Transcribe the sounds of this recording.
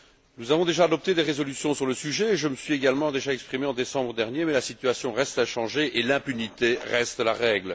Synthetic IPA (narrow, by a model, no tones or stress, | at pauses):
nuzavɔ̃d̪eʒaːd̪ɔp̚t̪ed̪eʁezɔlysjɔ̃syʁləsyʒɛʒəməsɥieɡalmɑ̃d̪eʒaɛkspχimeɑ̃d̪esɑ̃bʁəd̪ɛʁnjemɛlasit̪yasjɔ̃ʁɛst̪aʃɑ̃ʒeʔelɛ̃pynit̪eʁɛst̪laʁɛɡl